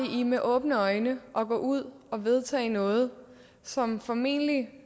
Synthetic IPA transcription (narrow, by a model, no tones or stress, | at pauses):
iʔimeʔɔ̽ːb̥nəɒ̽ɪnəʔɒ̽ɡ̥ɔ̰ːuð̞̰ˠ | ɒ̽ʋe̝ð̞ˠt͡sʰɛ̰ːnɔ̽ːð̞̩ˠ | sɒ̽mfɒ̽me̝̰nəli